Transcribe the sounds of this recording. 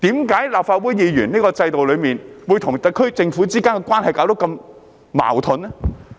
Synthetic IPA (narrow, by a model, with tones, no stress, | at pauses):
t̪iː˨˥mkaː˨˥jlaː˨p̚faː˧t̚wuː˨˥jjiː˨˧ɥyː˨˩niː˥kɔː˧t͡sɐ˧jt̪o˨wlɵ˨˧ɥmiː˨nwu˨˧jt̪ʰʊ˨˩ŋt̪ɐ˨˧kʰɵ˥ɥt͡sɪ˧ŋfu˨˥t͡siː˥kaː˥ŋkɛ˧kʷaː˥nhɐ˨jkaː˨˥wt̪kɐ˧m | ma̰ː˨˩wt̪ʰʊ˨˥n˥